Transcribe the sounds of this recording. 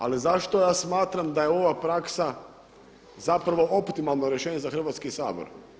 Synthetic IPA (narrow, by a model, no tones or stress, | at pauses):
alizaʃt̪o̞jaːsmaːt̪ɾamd̪aje̞o̞ʋapɾaksa | zapɾaʋo̞ʔo̞pt̪imalˠnoɾje̞ʃeːɲezaxr̩ʋat̪skisaːbo̰ɾ